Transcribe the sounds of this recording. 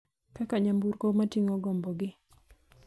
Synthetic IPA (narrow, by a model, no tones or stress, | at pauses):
kakaɲambuɾkomatiŋɔɡɔmbɔɡɪ